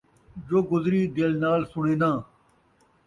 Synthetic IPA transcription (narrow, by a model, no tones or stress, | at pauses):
d͡ʒoːɡʊzɾiːd̪eːlnaːlsʊɳeːnãː